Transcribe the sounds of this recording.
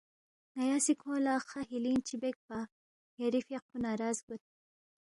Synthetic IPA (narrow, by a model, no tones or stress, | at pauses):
najaːsikʰõːlaːxaɦilint͡ʃibek̚pa | jaɾifjeq̚unaɾɑːzɡut̪̚